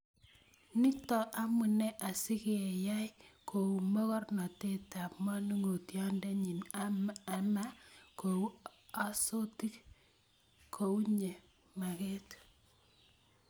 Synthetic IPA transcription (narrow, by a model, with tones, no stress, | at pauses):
ni˦tɔ˨ʔa˦mu˨nɛ˦ʔa˨si˦ke˨ja˦jkʰo˨u˨mo˦kɔ˦rnɔ˨te˦ta˨pma˦nu˦ŋo˨tjɔ˦ndɛ˦ɲi˨naama˦ko˨u˦ | a˦so˦ti˦k | kʰo˨u˦ɲe˨ | ma˨kɛ˦t